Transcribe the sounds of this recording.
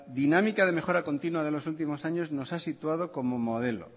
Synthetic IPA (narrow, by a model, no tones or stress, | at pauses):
ðinamikað̞eme̞xo̞ɾako̞nt̪inwað̞e̞lo̞sult̪̬imo̞saɲo̞zno̞sasit̪wað̞o̞ko̞momoð̞e̞lo̞̰